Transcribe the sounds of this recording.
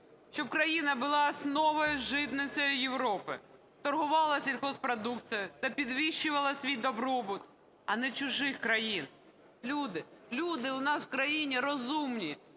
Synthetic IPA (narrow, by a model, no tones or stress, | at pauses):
ʃt͡ʃɔbkɾɐjinɐbʊlˠɑsnɔʋɔjʊʒɪt̪nɪt͡sʲɔjʊjewɾɔpɪ̰ | t̪ɔrɦʊʋɑlˠɐsʲilʲxɔspɾɔd̪ukt͡s̪sɨjʊt̪ɐpʲid̪ʋʲiʃːʊʋɐlˠɐsʲʋʲijd̪ɔbɾɔbʊt̪ | ɐnɛt͡ʃʊʒɪxkɾɐjin | lʲud̪ɪlʲud̪ɪʊnɑswkɾɐjinʲiɾɔzumnʲi